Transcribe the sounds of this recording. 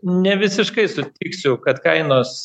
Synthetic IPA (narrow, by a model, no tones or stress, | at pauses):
nʲɛʋʲɪsʲɪʃkɐɪsʊt̪ʲiːksʲʊkɐt̪kɐɪnoːs